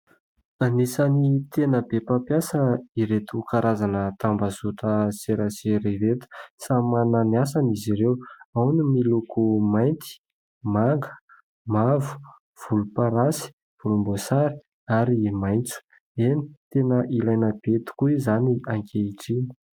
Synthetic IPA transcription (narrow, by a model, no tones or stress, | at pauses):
anisanit̪enəbepapjasəiɾet̪ukaɾazanət̪ambazuʈ͡ʂəseɾaseɾevet̪u̥samananiasaniziɾewawnimilukumajnt̪ʰi̥ | maŋɡə | mavu̥ | v̥ulupaɾasi̥ | b̥ulumbosaɾi̥ | aɾimajnt͡su̥ | eni̥t̪enəʔilajnəb̥et̪u̥kuizaniaŋkʰʲeiʈ͡ʂini̥